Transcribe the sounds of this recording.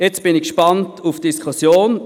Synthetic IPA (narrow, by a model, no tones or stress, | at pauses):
jɛt͡sb̥ɪnɪkʃpantʰufd̥iskʰusjoːn